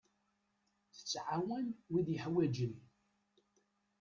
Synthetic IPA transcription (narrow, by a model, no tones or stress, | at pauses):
θə̥t͡sːʕawænwiðjəħwæd͡ʒən